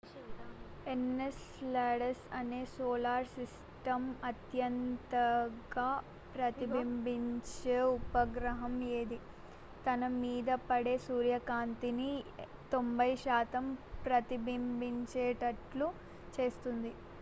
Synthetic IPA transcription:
enːes | laːɽɐsɐne̞ːsoːlaːɾsis | ʈɐmɐt̪jɐnt̪ɐɡaː | pɾɐt̪ibimbiɲt͡ʃeːupɐɡɾɐɦɐmeːd̪i | t̪ɐnɐmiːd̪ɐpɐɽe̞ːsuːɾjɐkaːnt̪ini | t̪o̞mbɐjʃaːt̪ɐmpɾɐt̪ibimbiɲt͡ʃeːʈɐʈlu | t͡ʃe̞ːst̪und̪i

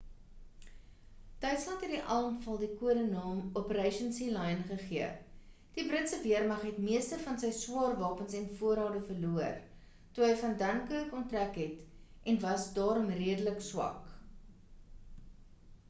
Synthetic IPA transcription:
d̥œɥtslɐntɦɛt̚diʔɐlˠmfɐlˠdikuəɾənɑːmɔpəɾɛjʃənsilɐjnχəχiə | d̥ibɾətsəviərmɐχɦɛtmiəstəfɐnsəjswɑːrvɑːpənsɛnfuəɾɦɑːdəfərluər | tuɦəjfɐndɐnkəəkɔntrækɦɛtʔɛnvɐsdɑːɾɔmriədələkswɐ̰k

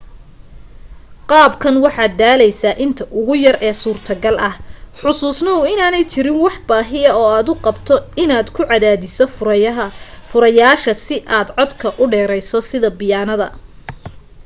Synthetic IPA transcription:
qɑːbkʰɐnwɑħɑːd̪aːlɛjsaːʔɪnt̪ʰɐʔʊɣʊjɐrʔɛːsuːrt̪ʰɐɡɐlʔɐhħʊsuːsnɐʊɪnaːnɛjt͡ʃʰɪɾɪnwɑħbaːɦɪɐɔːaːd̪ʊqɑbt̪ʰɔɪnaːd̪kʰʊʕɑðaːðɪsɔfɦɐfʊɾɐjaːʃɐsɪʔaːd̪ʕɔd̪kʰɐʔʊɖɛːɾɛjsɔsɪðɐbɪjaːnɐðɐ̰

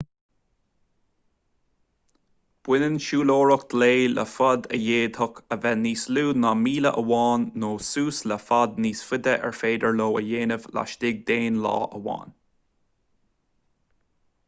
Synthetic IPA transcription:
b̥wɪnənʃuːloːɹʊk̚d̪̥leːlə̰fɔd̪ə̰jeːd̪hʊkəvɛniːsluːnɑːmiːləʔəwɑːnːoːsuːsləfad̪̚niːsfʊd̪əʔɛ̰ɹfeːd̪əɹloːəjeːnəvla̰ʃdɪɡ̚d̪eːnlɑ̰ːʔəwɑ̰ːn

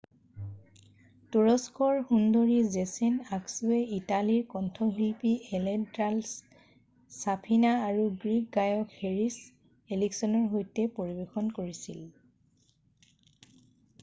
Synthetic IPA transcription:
tuɹɔskɔɹhundoɹizesenaksuɛitaliɹkɔntʰɔɦilpieledals | sapʰinaaɹuɡɹik̚ɡajɔkheɹis | eliksɔnɔɹɦojtɛpoɹibexɔnkoɹisil

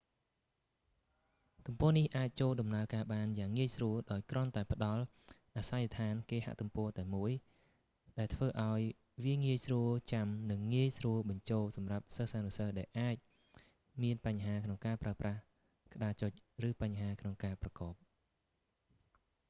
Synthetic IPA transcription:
t̪umpɔ̆ənihʔaːc̚t͡ɕoːlɗɑmnaəkaːɓaːnjaːŋːiəjsruəlɗaɔjkrŏənt̪aɛpə̆ɗɑl | ʔaːsajːat̪ʰaːnkeːha̰ʔt̪umpɔ̆ət̪aɛmuəj | ɗaɛlt̪ʰʋəːʔaɔj | ʋiəŋiəjsruəlt͡ɕamnɨŋːiəjsruəlɓɑɲt͡ɕoːlsɑmrap̚səhsaːnisəhɗaɛlʔaːc̚ | miənpaɲɦaːkʰnoŋkaːpraəprah | kə̆ɗaːt͡ɕoc̚rɨːpaɲɦaːkʰnoŋkaːprɑkɑːp̚

